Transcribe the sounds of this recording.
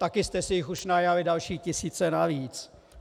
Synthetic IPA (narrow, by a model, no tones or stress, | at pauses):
t̪akɪst̪ɛsɪjɪxuʃnajavɪdalʃiːcɪsiːt͡sɛnaviːt͡s